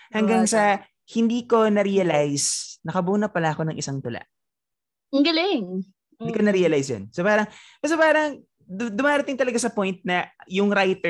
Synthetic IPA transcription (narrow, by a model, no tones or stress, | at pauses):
hɐŋɡaŋsɐ | hɪnd̪iːko̞nɐɾiːɐlajsnɐkɐbuːnɐpɐlaʔɐko̞nɐŋʔɪsaŋt̪ʊla̰ʔ | ɡɐlɪŋ | ɪd̪iːkonɐɾiːɐlajsjo̰nsopaːɾɐŋpɛɾopaːɾɐŋ | d̪ʊmaːɾɐt̪ɪŋt̪ɐlɐɡasɐpo̞jnt̪̚nɐjʊŋɾajt̪ɛ